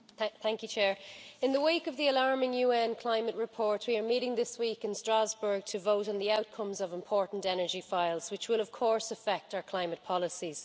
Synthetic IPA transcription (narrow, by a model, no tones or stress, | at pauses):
θæ̃ŋkjɨt͡ʃʰɛːɹɪ̃nðəweɪkəvðiəlaɹmɪ̃ŋjʉːɛ̃nkʰl̥ãɪ̃mət̚ɹɪpʰɔɹt̚ʰwiə˞miɾɪ̃ŋðɪswikɪ̃nstɹ̥azbə˞ɡ̚tʰəvoʊɾn̩ðiaʊt̚kʰʌ̃mzəvɪ̃mpʰɔɹʔn̩tɛnə˞d͡ʒifaɪlˠz̥wɪt͡ʃwɪlʌv̥kʰɔɹsəfɛk̚taʊə˞kʰl̥ãɪ̃mət̚pʰɑləsiz̥